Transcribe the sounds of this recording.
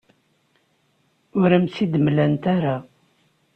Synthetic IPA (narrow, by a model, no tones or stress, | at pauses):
ʊɾæmsid̪mlænt̪æɾa